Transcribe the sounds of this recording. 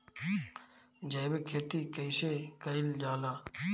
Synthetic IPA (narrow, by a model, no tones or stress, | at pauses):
d͡ʒəːbekʰeːt̪iːkəɪseːkəɪld͡ʒaːlaː